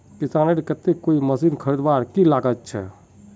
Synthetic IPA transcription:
kisaneɾkət̪ekkːoiməsinkʰəɾid̪baɾkilaɡət̪t͡ʃʰɛ̰

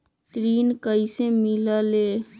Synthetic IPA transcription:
t̪ɾiːnkəiseːmilaːleː

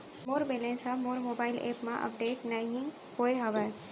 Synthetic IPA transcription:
moɾbelensʌmoɾmobailḛpmaʔə̰p̚ɖeʈnajɦĩ | hojɦʌbə

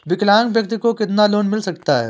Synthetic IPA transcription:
ʋɪklãːŋkʋjɐk̚t̪ikokɪt̪naloːnmɪlsɐk̚t̪aɦɛ̰ː

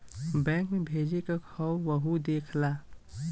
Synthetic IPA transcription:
bɛ̃ːŋkmebʱeːd͡ʒekakʰɔwʋəɦud̪eːkʰla

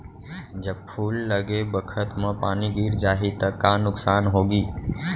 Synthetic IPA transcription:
d͡ʒɐb̚pʰuːlːɐɡebəkʰət̪mẽpaːniɡiːɾd͡ʒaːɦit̪ɐkːaːnʊksaːnɦoːɡiː

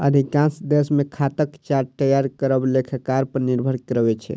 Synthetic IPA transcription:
ə̰d̪ʱikãnsd̪esmekʰat̪əkt͡ʃaɾt̪əjaɾkəɾəblekʰəkːaɾpəɾniɾbʱəɽkɾəbɛt͡ʃʰɛ̰

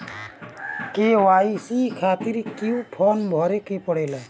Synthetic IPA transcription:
kewaisikʰat̪iɾikiũpʰɔnbʱɔɾekepɔɽɛla

